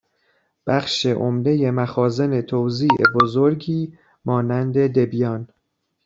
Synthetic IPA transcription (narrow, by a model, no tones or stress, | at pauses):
b̥æxʃe̞ʔomd̪e̞je̞mæxɒːze̞ne̞t̪ʰowziːʔḛbozoɾɟiː | mɒːnænd̪e̞d̪e̞bijɒːn